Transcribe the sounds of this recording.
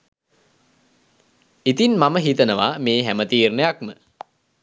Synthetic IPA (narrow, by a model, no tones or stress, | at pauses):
it̪inmaməɦit̪ənəʋameːɦæmət̪iːrnəjakmə